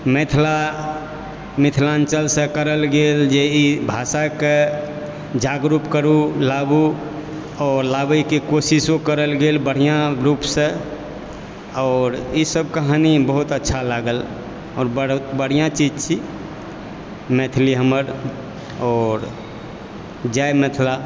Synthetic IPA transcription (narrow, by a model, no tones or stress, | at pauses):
met̪ʰla | mit̪ʰlãnt͡ʃəlsə̃kəɾəlɡeld͡ʒeibʱasake | d͡ʒaɡɾupkəɾulabu | ɔːɾlabikekosisokəɾəlɡelbəɽ̤ijãɾupsẽ | ɔːɾisəb̚kəɦanibəɦut̪ətːʃʰalaɡəl | ɔːɾbəbəɽ̤ijãt͡ʃid͡ʒt͡ʃʰi | met̪ʰliɦəməɾ | ɔːɾ | d͡ʒajmɛt̪ʰla